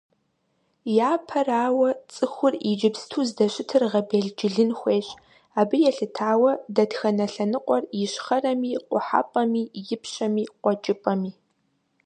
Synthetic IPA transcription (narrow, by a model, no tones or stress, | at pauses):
jaːpʰɐraːwɐt͡sʼɨxʷʊrid͡ʒɪbstʰuːzdɐɕɪtʰɨrʁɐbeːɮd͡ʒɪɮɨnxʷeːɕʼ | aːbɨjɛɬɨtʰaːwɐdɐdxɐnɐɬɐnɨqʷʼɔrjɪɕχɐrɐmiːqʷʼʊħa̰ːpʼɐmiːjɪpʰɕɐmiːqʷɔt͡ʃʼɪpʼɐmiː